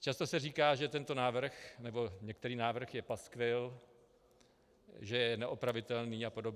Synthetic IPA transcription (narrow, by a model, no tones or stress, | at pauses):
t͡ʃast̪o̞sɛriːkaːʒɛt̪ɛnt̪o̞naːvr̩xnɛbo̞ɲɛk̚t̪ɛɾiːnaːvr̩xjɛpaskvɪl | ʒɛjɛnɛʔopɾavɪt̪ɛlniːapo̞do̞bɛ